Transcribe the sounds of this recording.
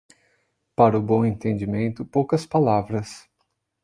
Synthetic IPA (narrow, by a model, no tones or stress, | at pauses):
paɾɐʊbõw̃ẽnt̪ẽnd͡ʒimẽnt̪ʊpowkɐspalavɾɐs